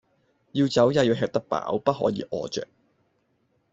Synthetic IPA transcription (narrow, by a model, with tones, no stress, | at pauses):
jiː˧wt͡sɐ˨˥wjaː˧jiː˨˧ɦɛː˧k̚t̪ɐ˥k̚pa̰ː˨˥wpɐ˥t̚ɦɔ̰ː˨˥jiː˨˧˥ʔɔː˨˧t͡ʃœ̰ː˨k̚